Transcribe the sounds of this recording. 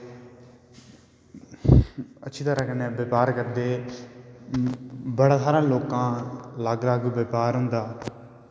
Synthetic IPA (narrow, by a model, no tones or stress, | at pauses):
ətːʃʰiːt̪əɾãːkəneːʋəpaːɾkəɾd̪eː | bəɽaːsaːɾãːloːkãːlaːɡlaːɡʋəpaːɾɦʊ̃nd̪aː